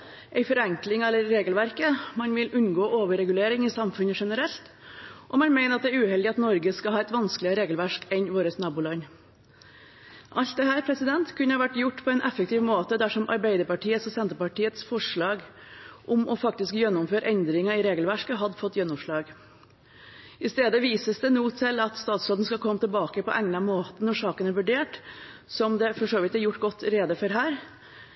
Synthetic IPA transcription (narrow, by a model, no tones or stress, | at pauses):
ʔɛɪfɔɾɛŋklɪŋɑɛlːəɾːeːɡəlʋæɾkəmɑnʋɪlʉnɡoːʔoːʋəɾɛɡʉleːɾɪŋɪsɑmfʉnəʂɛnəɾɛlt̪ʔɔmɑnmæɪnəɾɑt̪d̪ɛæːɾʉːhɛld̪ɪɑt̪nɔɾɡəskɑɑːɛt̪ʋɑnsklɪəəɾeːɡəlʋæʂkɛnʋoːɾəsnɑːbuːlɑɲ | ʔɑlt̪̚d̪ɛhæːɾpʰɾɛsɪd̪ɛnt̪kʰʉnːəhɑʋæʈːjʊʈːpʰɔɛɪnʔɛfək̚t̪ʰiːʋmoːt̪əd̪æʂɔmʔɑ̰ɾbæɪd̪əɾpɑʈʰiːət̪sɔsɛnt̪əɾpɑʈiːət̪sfɔʂɭɑːɡ | ʔɔmɔfɑkt̪ɪskjɛnːʊmføːɾəʔɛnd̪ɾɪŋɑɪɾeːɡəlʋæʂkəɦɑd̪ːəfɔt̪ːjɛnːʊmʂɭɑːɡ | ɪst̪eːd̪əʋiːsəsd̪ɛnuːt̪ʰɪlːɑt̪st̪ɑːt̪sloːd̪n̩skɑlkʰɔmːət̪ɪlbɑːkəpɔʔæŋnɑmoːt̪ənɔʂɑːkənæɾʋʉɖeːʈ | sɔmd̪ɛfɔʂoːʋɪt̪æɾjʊʈːɡɔt̪ːɾeːd̪əfɔɾɦæːɾ